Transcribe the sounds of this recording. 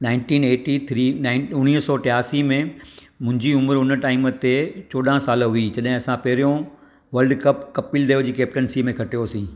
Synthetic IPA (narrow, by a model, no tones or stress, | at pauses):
naːɪ̃ɳʈĩːneːʈit̪ʰɾiːnaɪʊɽ̃iːɦəsɔːʈɪaːsimẽ | mʊ̃ɦɪ̃ɲd͡ʑiʊməɾʊnə̆ʈaːɪimət̪et͡ɕoːɗãsaːlɦʊid͡ʑɐɗɦɪ̃ɐsãpɐɦɪɾijõ | ʋɐlɖkɐpkɐpild̪ɐjod͡ʑiːkeːp̚ʈənsiːmẽkʰɐʈijosĩː